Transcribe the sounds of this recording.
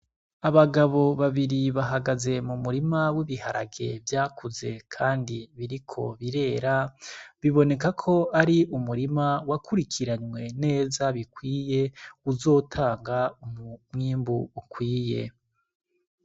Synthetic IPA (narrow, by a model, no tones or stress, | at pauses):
aβaɡaβo̞βaβiɾiβaɦaɡaze̞mumuɾimawiβiha̰ɾa̰ɡe̞̰vjaːkʰuze̞kʰaːndiβiɾikʰo̞̰βiɾe̞ːɾaβiβo̞ne̞kakʰo̞aɾiʔumuɾimawakʰuɾikʰiɾaɲwe̞ne̞ːzaβikwiːje̞uzo̞ːtʰaːŋɡaumumŋiːmbuːkwiːje̞̰